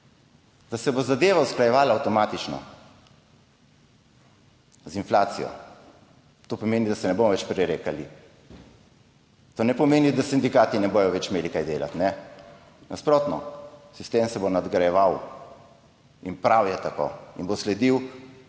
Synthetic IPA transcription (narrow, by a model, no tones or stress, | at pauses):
d̪̥asɛbozad̪eːʋausklajɛʋaːlaːwt̪ɔmaːt̪it͡ʃnɔ̰ | zinflaːt̪sḭjɔ̰ | t̪opɔmeːnid̪asɛnɛbomɔʋɛt͡ʃpɾiɾeːkali | t̪oːnɛpɔmeːnid̪asind̪ikaːt̪inɛboːjɔʋɛt͡ʃmeːlikajd̪eːla̰t̪nɛ | nʔaspɾoːt̪nɔ̰sist̪eːmsɛbonad̪ɡɾajɛʋaw | inpɾawjɛt̪ako̰ḭnboslɛd̪iw